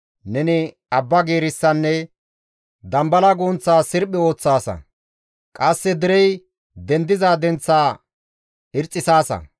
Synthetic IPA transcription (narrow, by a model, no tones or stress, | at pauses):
nɛnɪ | ɐbːɐɡeːɾɪsːɐnːɛ | d̪ɐmbɐlɐɡoːnt͡sːaːsɪɾpʼːɪo̞ːt͡sːaːsɐ̰ | kʼɐsːɛd̪ɪɾɛj | d̪ɛnd̪ɪzaːd̪ɛnt͡sːaː | ɪɾt͡sʼːɪsaːsɐ̰